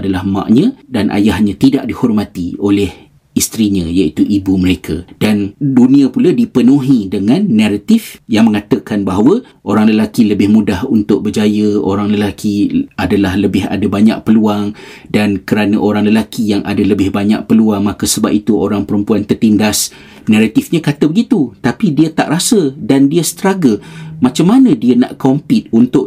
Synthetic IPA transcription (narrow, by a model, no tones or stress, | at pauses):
dalahmã̰ʔɲə̃danʔa̰jahɲãt̪idaʔdihɔrmãt̪iolɛh | ist̪ɾiɲãjait̪uʔibuməɾekʰad̥andunĩapuladipənũɦidəŋãnːaɾat̪ifjaŋmə̃ŋat̪əkanbaɦwə | ʔoɾaŋləlakiləbɪhmudahunt̪ʊʔ̚bərd͡ʒajəo̰ɾaŋləlakʰiadalahləbɪɦa̰dabaɲa̰ʔ̚pəluaŋ | dankəɾanə̃ʔoɾaŋləlakʰijaŋʔa̰daləbɪhbaɲa̰ʔ̚pəluaŋmakəsəba̰p̚it̪uʔoɾaŋpəɾəmpuant̪ərt̪indas | nãɾat̪ɪfɲãkat̪əbəɡit̪ut̪apidiət̪a̰ʔɾasədandiəsə̥t̪əɾaɡəmãt͡ʃamːanə̃diəna̰ʔkɔmpɪt̪̚unt̪ʊʔ